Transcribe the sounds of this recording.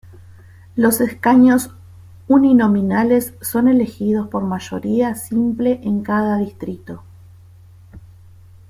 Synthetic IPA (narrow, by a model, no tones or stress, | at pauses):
lo̞se̞skaɲo̞s | unino̞minale̞sːo̞ne̞le̞xið̞o̞spo̞ɾmaʒo̞̰ɾiasimple̞ʔeŋkaðaðist̪ɾit̪o̞